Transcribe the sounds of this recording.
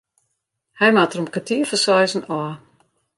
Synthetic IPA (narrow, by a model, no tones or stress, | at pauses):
hɛjmatəromkatiəfəsɔjzən̩ɔə